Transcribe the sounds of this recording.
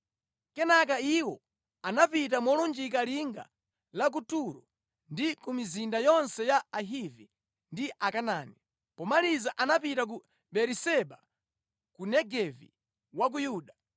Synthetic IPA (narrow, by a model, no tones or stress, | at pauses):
kɛnak̬aiwɔ | anapit̬amɔlund͡ʒik̬aliŋɡa̰ | lak̬utuɾɔ | ndikumizindajɔnsɛjaaɦivi | ndiʔakanaːni | pɔmalizaʔanapitak̬u | ɓɛɾisɛɓa | kunɛɡɛvḭ | wak̬ujuːɗa